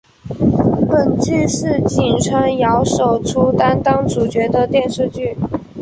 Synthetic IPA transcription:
pə˨˩nt͡ɕi˥˧ʂɻ̩˥˩t͡ɕi˨˩nʈ͡ʂʰə˧˥ŋjɑ˧˥ʊʂo˨˩ʊʈ͡ʂʰu˥t̪a˥nt̪ɑ˥ŋʈ͡ʂu˨˩t͡ɕɥɛ˧˥d̪ə˧t̪jɛ˥˧nʂɻ̩˥˧t͡ɕy˥˩

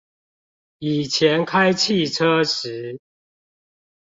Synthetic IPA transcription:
i˨˩t͡ɕʰjɛ˨˦nkʰa˦ɪt͡ɕʰi˥˨ʈ͡ʂʰɤ˦˥ʂɻ̩˨˦

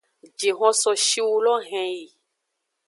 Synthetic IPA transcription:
d͡ʒe˨ɦɔ̃˧sɔ˨ʃi˦wu˧lɔ˦ɦɛ̃˧ji˨

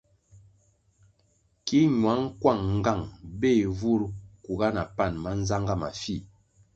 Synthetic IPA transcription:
ki˦ɲwa˨˦ŋ̩˦kwa˦˨ŋŋ˦ɡa˦˨ŋbe˦˨vu˦ɾu˦ku˨ɡa˦na˨pa˦˨nma˦n̩˦za˦ŋɡa˦ma̰˨fi˦

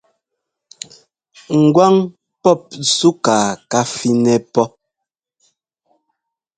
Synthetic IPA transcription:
ŋ̩˨ɡwa˦ŋ | pɔ˦˨p̚su˦kaː˨ka˦fi˦nɛ˨pɔ˦

